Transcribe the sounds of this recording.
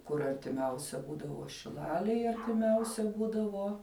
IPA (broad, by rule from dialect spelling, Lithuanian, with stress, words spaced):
kʊr ɐrʲtʲɪˈmʲɛʊsʲɛ ˈbuːdɐʋoː ʃʲɪˈlˠɑːlʲeːj ɐrʲtʲɪˈmʲɛʊsʲɛ ˈbuːdɐʋoː